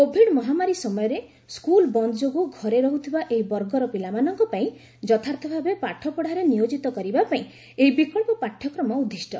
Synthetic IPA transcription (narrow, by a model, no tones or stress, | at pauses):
kobʱiɖmɔɦamaɾisɔmɔjɔɾe | skulbɔnd̪ɔd͡ʒoɡuɡʱɔɾeɾɔɦut̪ʰibaʔeibɔɾɡɔɾɔpilamanɔŋkɔpaĩ | d͡ʒɔt̪ʰaɾt̪ʰɔbʱabepaʈʰːɔpɔɽ̤aɾenijod͡ʒit̪ɔkɔɾibapaĩ | eibikɔɭpɔpaʈʰːjɔkɾɔmɔud̪ʱːisʈɔ